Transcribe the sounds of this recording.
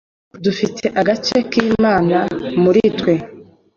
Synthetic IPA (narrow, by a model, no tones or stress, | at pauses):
dufitʰe̞ʔaɡat͡ʃe̞kiːmaːnamuɾitwe̞